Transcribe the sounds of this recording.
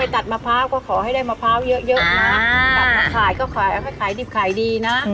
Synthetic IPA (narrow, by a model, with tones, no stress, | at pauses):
a˧jt̪a˨˩t̪̚maː˧pʰaː˦˥wkɔː˥˩kʰɔː˩˦ha˥˩jdaː˥˩jmaː˧pʰaː˦˥˩wjɤ˦˥ʔjɤ˦˥ʔn˩˧na˦˥naː˦˥a˧˩kʰaː˨˩jkɔː˥˩kʰaː˨˩jʔa˨˧˩ha˥˩jkʰaː˨˩˦jdiː˨˩p̚kʰaː˨˩jdiː˧na˦˥ʔ